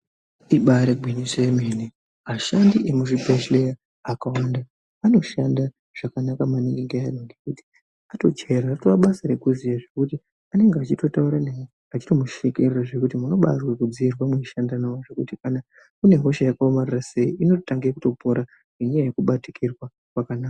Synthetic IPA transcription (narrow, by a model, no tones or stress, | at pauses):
iɓaɾeɡʱwiɲiseemeni | maʃandiʔe̞muʐibʱeʃleja | akawanda | ano̞ʃanda | ʐ̥akanakamaniŋɡeŋɡeainoŋɡe̞kuti̥ | ato̞t͡ʃe̞ɾaratoʋaɓasaɾe̞kuzijaʐe̞kuti | ane̞ŋɡeat͡ʃito̞tauɾanaji | at͡ʃi̥to̞muʃikereraʐe̞kutimuno̞ɓarwekud͡ziirwamweiʃandanaoʐe̞kutikana | kune̞ɦo̞ʃajakaomarirase̞iʔino̞ttaŋɡekuto̞pʰo̞ɾa | ŋeɲajajekuɓatikirwa | kwakanaːka